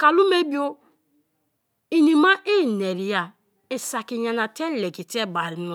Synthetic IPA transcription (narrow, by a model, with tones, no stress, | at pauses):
ka˨lu˦me˦bi˦o˦ | i˨ni˨ma˦ʔe˦˨ne˨ɾi˨ja˦ | e˨sa˨ki˨ɲa˨na˨te˦le˨ɡi˨te˦˨ba˨ɾi˨n˦